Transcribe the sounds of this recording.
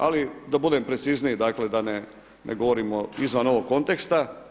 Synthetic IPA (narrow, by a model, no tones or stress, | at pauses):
a̰lid̪abud̪eːmpɾet̪sizniid̪akle̞d̪ane | nʔeɡo̞ʋoɾimoizʋanoʋo̞kkːo̞nt̪ekst̪a